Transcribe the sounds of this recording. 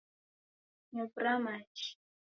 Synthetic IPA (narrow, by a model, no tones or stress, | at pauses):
ɲʊpɾamat͡ʃ